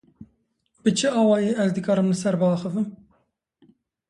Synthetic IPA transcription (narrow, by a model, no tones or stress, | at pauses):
b̥ɨt͡ʃʰɨɑːwɑːjeːʔɛzd̪əkɑːɾɨmlɨsɛɾbɑxəvɨm